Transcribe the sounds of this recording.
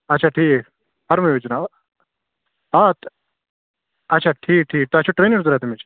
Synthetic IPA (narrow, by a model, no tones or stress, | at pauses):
ɐtːt͡ʃʰaʈʰiːk̚ | pɐɾmɐjoːd͡ʒna | at̪ | ɐtːt͡ʃʰaʈʰiːk̚ʈʰiːk̚t̪oɐtːt͡ʃʰoʈɾeːnɐɾzuɾaːt̪emet͡ʃ